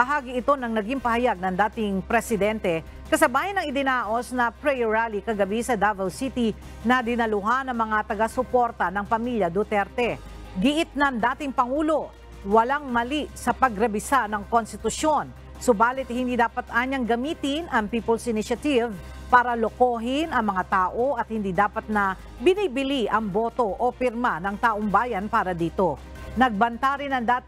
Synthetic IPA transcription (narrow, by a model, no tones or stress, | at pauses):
bɐɦaːɡiɪt̪o̞nɐŋnɐɡimpɐhɐjaɡ̚nɐŋd̪aːt̪ɪŋpɾɛsɪd̪ɛnt̪ɛ | kɐsɐbaːjɪnɐŋɪd̪ɪnaːʔo̞snɐpɾɛjoɹalikɐɡɐbisɐd̪avɛlsit̪i | nɐd̪ɪnɐlʊɦanɐŋmɐŋat̪ɐɡasʊpo̞ɾt̪ɐnɐŋpɐmiljɐd̪ot̪ɛɾt̪ɛ | ɡɪʔɪt̪̚nɐŋd̪aːt̪ɪŋpɐŋuːlo̞ | wɐlaŋmɐliʔsɐpɐɡɾɐbɪsanɐŋkonst̪ɪt̪ʊʃo̞n | sobaːlɪt̪hɪnd̪iːd̪aːpɐt̪ʔaːɲɐŋɡɐmiːt̪ɪnɐŋpiːpolsʔɪnɪʃɐt̪iv | paːɾɐloko̞ːɦɪnɐŋmɐŋat̪aːʔo̞ʔɐt̪̚hɪnd̪iːd̪aːpɐt̪̚nɐ | bɪnibɪliʔɐŋboːt̪o̞ʔopɪɾmanɐŋt̪aːʔoŋbaːjɐnpaːɾɐd̪iːt̪o̞ | nɐɡ̚bɐnt̪aɾɪnɐŋd̪aːt̪